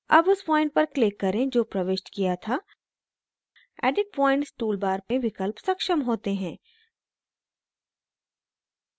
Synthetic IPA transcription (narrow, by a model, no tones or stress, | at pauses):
ɐbʊspɔːɪ̃ɳʈ̚pɐɾklɪkːɐɾẽd͡ʒoːpɾɐʋeːʃʈkijat̪ʰa | ɛ̰ːɖɪɖ̚pɔ̃ːɪ̃ɳʈsʈuːlbaːɾpẽʋɪkəlpsɐkʃəmɦoːt̪eɦɛ̃ː